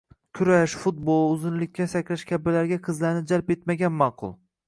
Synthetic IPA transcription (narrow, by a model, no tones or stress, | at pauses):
kʲʰʊɾaʃfʊt̪̚bolˠʊzɪnlɪkʲːasakʲʰlaʃkʲʰabɪlaɾɡʲaqʰɨzlaɾnɪd͡ʒalpe̞t̪maɡʲanmɑqʰʊ̰lˠ